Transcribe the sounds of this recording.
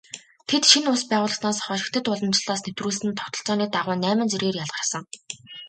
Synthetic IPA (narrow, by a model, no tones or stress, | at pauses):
t̪ʰet̪ʃinʊspæːʁʊːɮə̆snaːsχɔːʃɪ̆kt̪ʰɘ̆t̪ʊɮə̆mt͡ɕɪ̆ɮaːsnet̪ruːɮsɘ̆nt̪ʰɔ̥kt̪ɞ̆ɬt͡sɔːniːt̪aʁʊːnæːmə̆nt͡serɣeːrjaɮʁ̥ə̆rsə̆ŋ